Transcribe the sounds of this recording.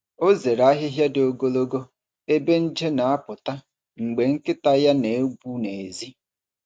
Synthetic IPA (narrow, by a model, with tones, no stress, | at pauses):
o˦ze˨ɾa˦ɦɪ˦ɦja˦do˨ɡo˦lo˦ɡo˦ | e˦be˦n̩˦d͡ʒe˦na˨a˦pʊ˨ta˦ | ŋ͡m̩˨ɡ͡be˨ŋ̩˦kɪ˦ta˦ja˦ne˨e˦ɡʷu˦ne˨e˨zi˦